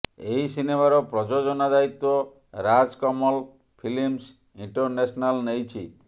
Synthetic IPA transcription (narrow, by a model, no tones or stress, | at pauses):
eɦisinemaɾɔpɾɔd͡ʒod͡ʒɔnad̪ait̪ɔ | ɾad͡ʒkɔmɔl | pʰilims | iɳʈɔɾnesɔnalnejt͡ʃʰi